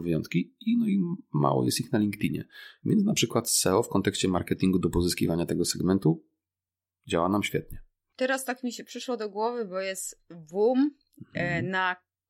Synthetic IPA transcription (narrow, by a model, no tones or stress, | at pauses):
vjɔ̰̃nt̪kʲiinɔima̰wɔ̰jɛ̰st̪ixnalʲiŋkt̪iɲɛ̰vʲjɛ̰nsnapʂɘkwat̪sɛɔfkɔnt̪ɛkɕt͡ɕɛmaɾkɛt̪ʲiŋɡud̪ɔpɔzɨskʲḭvaɲat̪ɛɡɔsɛɡmɛnt̪u | d͡ʑawanamɕfʲɛt̪̚ɲɛ | t̪ɛɾast̪akmʲiɕɛpʂɘʂwɔd̪ɔɡwɔvɘbɔjɛst̪bum | na